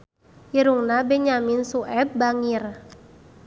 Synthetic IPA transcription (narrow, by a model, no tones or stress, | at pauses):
jiɾuŋnabɛɲaminsuʔɛb̚baŋir